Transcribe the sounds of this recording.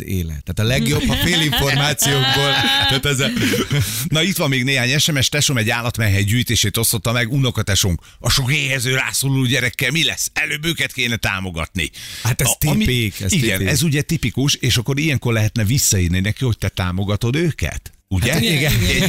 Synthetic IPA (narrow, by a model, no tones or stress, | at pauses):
ḛːlɛ̰t̪ːaːt̪ɒlɛɡjobːfeːliɱfo̞rmaːt̪sijoːɡboːlt̪at̪ɛz | nɒit̪ʋɒmːeːɡneːɦaːɲɛʃɛmɛʃt̪ɛʃomɛɟaːlɒt̪mɛɦɛjɟyːjt̪eːʃeːt̪o̞st̪ot̪ːɒmɛɡunokɒt̪ɛʃoŋk | ɒʃo̞keːhɛzøːra̰ːsoːlloːɟɛɾɛkːɛlmilɛsːɛløːbøːkɛt̪keːnɛt̪a̰ːmo̞ɡɒ̰t̪nḭhat̪ɛt̪emieiɡɛnɛzuɟɛt̪ipikuʃeːʃɒkːo̞ɾijɛŋko̞rlɛɦɛt̪nɛvisːɒiːrninɛkiho̞c̚t̪ɛt̪aːmo̞ɡɒt̪o̞d̪øːkɛ̰t̪ | uɟɛiɡɛ